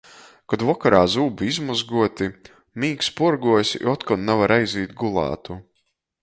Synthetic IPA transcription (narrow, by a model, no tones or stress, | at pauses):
kɔd̪vɔkaɾaːzuːbiizmuzɡuɔt̪i | miːkspuɾɡuɔsʲɔt̪kɔnnavaɾajziːt̪ɡulˠɑ̰ːt̪u